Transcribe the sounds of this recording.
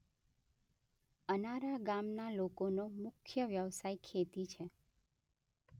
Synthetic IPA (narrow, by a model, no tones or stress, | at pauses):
ənaɾaɡamnalokonomʊkʰjəʋjəʋsaikʰːet̪it͡ʃʰe